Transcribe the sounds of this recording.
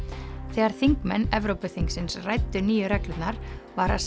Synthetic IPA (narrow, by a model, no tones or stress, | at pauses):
θɛːɣaɾ̥θiŋkmɛnːɛvɾowpʏθiŋksɪnsrajt̪ːʏniːjʏɾɛklʏt̪naɾ̥vaɾaðs